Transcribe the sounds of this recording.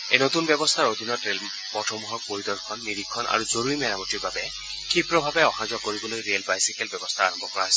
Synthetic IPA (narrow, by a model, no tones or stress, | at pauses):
ejnot̪unbɛbɔst̪ʰaɹod̪ʱinɔtɹel | pɔtʰɔmɔɦɔɹpoɹidɔɹkʰɔnːiɹikʰːɔna̰ɹuzoɹuɹimɛɹamɔtiɹbabɛ | kʰipɹɔbʱabɛɔxãzɔkoɹibolojɹiɛlbajsikɛlbɛbɔst̪ʰaaɹɔmbʱɔkɔɹaɦɔsɛ